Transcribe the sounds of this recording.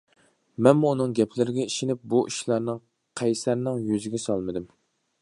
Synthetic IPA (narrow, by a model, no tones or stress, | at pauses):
mɛnmuːnɨŋɡʲɛpʰlɪɾɪɡʲɛiʃɪnɪp̚buʔiʃlˠɑɾnɨŋ | qʰɛjsæɾnɪŋjyzɪɡʲɛsɑlˠmɨd̪ɨm